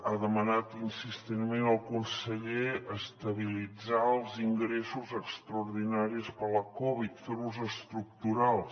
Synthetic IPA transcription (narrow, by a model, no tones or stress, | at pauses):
aðəmənat̪insist̪enmenəlˠkunsəʎeəst̪əβilid͡zaəlˠziŋɡɾesuzəkst̪ɾəuɾðinaɾispələkɔβit̪feɾuzəst̪ɾuk̚t̪uɾalˠs